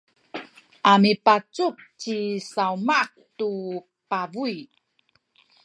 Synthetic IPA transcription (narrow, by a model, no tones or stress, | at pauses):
ʔamipat͡sup̚t͡ɕisaumak̚tu | pavui